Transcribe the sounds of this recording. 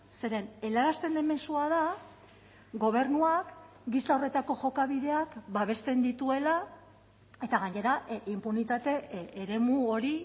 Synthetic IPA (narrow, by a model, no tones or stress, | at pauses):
se̞ɾe̞ne̞laɾast̪e̞nd̪e̞me̞suað̞a | ɡo̞β̞e̞rnuak | ɡislao̞re̞t̪ako̞ʝo̞kaβ̞iðe̞akbaβe̞st̪e̞nd̪it̪ue̞la | e̞t̪aɣaɲe̞ɾaimpunit̪at̪e̞ːɾe̞muoɾi